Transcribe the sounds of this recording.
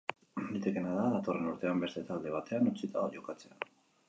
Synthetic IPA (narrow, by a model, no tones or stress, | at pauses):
d̪it̪eke̞naðaðat̪o̞re̞nuɾt̪e̞ambe̞st̪e̞t̪ald̪e̞β̞at̪e̞anut͡sit̪aoʝo̞kat͡se̞a